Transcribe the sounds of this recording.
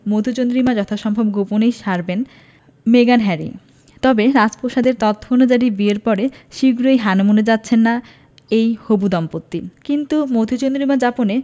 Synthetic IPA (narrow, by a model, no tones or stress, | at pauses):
mod̪ʱut͡ɕond̪ɾimad͡ʑɔt̪ʰoʃɔmbʱobɡoponejʃaɾben | meɡanɦɛɾḭ | t̪ɔbeɾad͡ʑpoʃad̪eɾt̪ɔt̪ʰːonod͡ʑaɾibieɾpɔɾeʃiɡɾojɦanmoned͡ʑatːɕʰenːa | ejhobud̪ɔmpot̪ːikint̪umod̪ʱut͡ɕond̪ɾimad͡ʑapone